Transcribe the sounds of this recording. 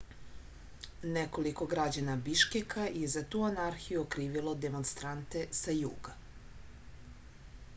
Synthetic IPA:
neko̞liko̞ɡɾad͡ʑanabiʃkekajezat̪uːanaɾxijuokɾiːʋilˠo̞d̪emonst̪ɾant̪e̞sajṵːɡa

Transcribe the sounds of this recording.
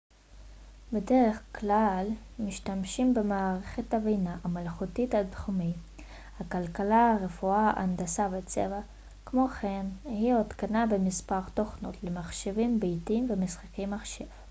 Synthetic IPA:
bede̞ʁeχklal | miʃtamʃimbemaːʁeχethavejnaʔamalχutithatχumi | hakalkalaʁe̞fuaʔa̰ndasabet͡sḛva | kmo̞χenhiotkanabe̞mispaʁt̪oχnotlemaχʃevimbejtimvemisχḁkejmaχʃev̥

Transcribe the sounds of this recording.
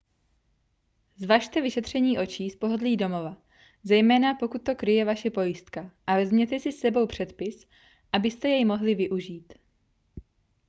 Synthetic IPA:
zvaːʃt̪ɛvɪʃɛt̪r̝̥ɛɲiːʔo̞t͡ʃiːspo̞ɦo̞dliːdo̞mo̞va | zɛjmɛːnapo̞kut̪̚ːo̞kɾɪjɛvaʃɛpo̞jɪst̪kaʔavɛzmɲɛt̪ɛsɪsːɛbo̞wpr̝̥ɛt̪pɪs | ʔabɪst̪ɛjɛjmo̞ɦlɪvɪʔuʒiːt̪

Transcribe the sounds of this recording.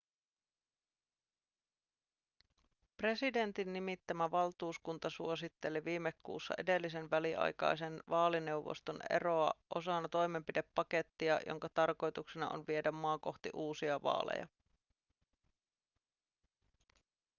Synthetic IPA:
pre̞side̞nt̪inːimit̪ːæmæʋɑlt̪uːskunt̪ɑsuosit̪ːe̞liʋiːmːekːṵːsːɑ̰ʔe̞de̞lːis̬e̞nʋæliʔɑ̰jkɑ̰jse̞nʋɑːline̞uwʋo̰st̪o̞nḛro̞ɑʔosɑnːɑt̪o̞jme̞mpidepːɑke̞t̪ːiɑjʔo̰ŋkɑt̪ɑrko̞jt̪uksenɑ̰ʔo̰nʋie̞dæmːɑːko̞xt̪ḭʔuːsiɑʋɑ̰ːlḛjɑ̰

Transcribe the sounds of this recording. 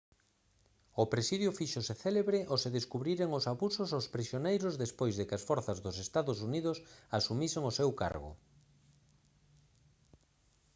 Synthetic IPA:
ʊpɾesiðjʊfiʃoseθeleβɾɪʔoseðeskuβɾiɾeŋosaβusosospɾisjonejɾʊzðespojzðɪkɪasfɔɾθazðʊsest̪aðʊs̬uniðʊsasumiseŋosewka̰ɾɣʊ̰

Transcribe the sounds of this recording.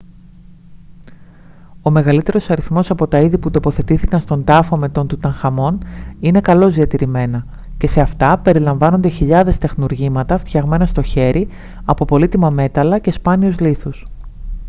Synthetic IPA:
o̞me̞ɣɐlit̪e̞ɾo̞sɐɾiθmo̞sɐpo̞t̪ɐiðiput̪o̞po̞θe̞t̪iθikɐnst̪o̞nd̪ɐfo̞me̞t̪o̞nt̪ut̪ɐŋxɐmo̞nine̞kɐlo̞zðiɐt̪iɾime̞nɐ | ce̞se̞ɐft̪ɐpe̞ɾilɐɱvɐno̞nd̪e̞çiʎɐðe̞st̪e̞xnuɾʝimɐt̪ɐft̪çɐɣme̞nɐst̪o̞çe̞ɾʔi | ɐpo̞po̞lit̪imɐme̞t̪ɐlɐce̞spɐniuzliθus

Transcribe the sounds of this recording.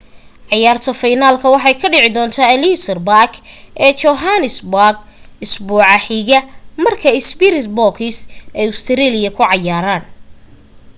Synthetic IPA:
ʕɑjaːrt̪ʰɐfɐjnaːlkʰɐwɑħɑjkʰɐɖɪʕɪd̪ɔːnt̪ʰaːlisɐrbakʰʔɛːt͡ʃɔɦanɪsbɡɪsbuːʕɑħiːɣɐmɐrkʰɐɪsbiɾɪsbɔkʰɪsɛjʊst̪ʰɪɾiːlɪjɐkʰʊʕɑjaːɾaːn

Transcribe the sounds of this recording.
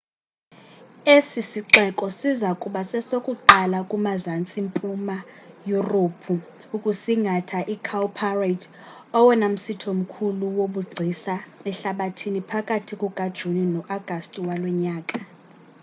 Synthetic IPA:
esisiǁɛkʼɔsizakʼuɓasɛsokʼuǃalakʼumazant͡sʼimpʼumajuropʰu | ukʼusiŋɡʱatʰaʔikʰalpʰaratʰ | ɔwɛnam̩sitʰom̩kʰuluwoɓuɡ͡ǀʱisaɛɬaɓatʰinipʰakʼatʰikʼuɡ̥ʱad̥ʒ̥ʱuninɔʔaɡ̥ʱastʼiwalwɛɲaːkʼa

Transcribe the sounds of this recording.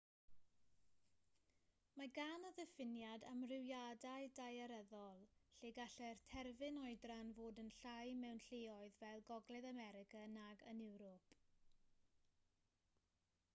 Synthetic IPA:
maɡanɔðɛfɪnjadamrɪwjadaɨdajaɾəðɔlˠɬeːɡaɬɛrtʰɛrvɪnɔɨdranvoːdənɬajmɛwnɬeːɔɨðvɛlˠɡɔɡlɛðamɛɾɪkʰanaɡənɪwɾɔpʰ

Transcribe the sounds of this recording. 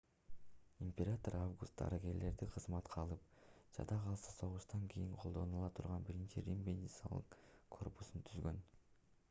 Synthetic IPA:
imʲpʲeɾat̪oɾavɡust̪̚d̪ɑ̰ɾiɡe̞ɾle̞ɾd̪iqʰɯzmɑt̪qʰɑlˠɯpd͡ʒɑ̰d̪ɑqʰɑlˠsɑso̞ʁuʃt̪ɑŋkʲʰijiɴqʰo̞lˠd̪o̞nulˠɑt̪ʰuɾʁɑnbiɾint͡ʃiɾʲimbenʲd̪ʲit̪sɑ̰lˠɯ̰qkʰo̞rpu̥sunt̪ʰyzɡø̞n

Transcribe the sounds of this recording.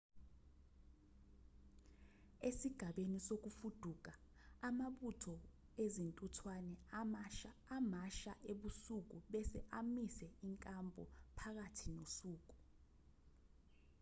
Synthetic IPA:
esiɡ̥ʱaɓenisok̬ufud̥ʱuk̬aː | maɓutʰɔ | ezintʼutʰwanɛ | amaʃaʔeɓusuk̬uɓɛsɛʔamisɛiŋkʼampʼɔ̰pʰak̬atʰinosuːk̬u̥

